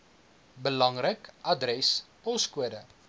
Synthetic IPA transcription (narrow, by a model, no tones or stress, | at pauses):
bəlɐŋrəkʔɐdrɛspɔskuədə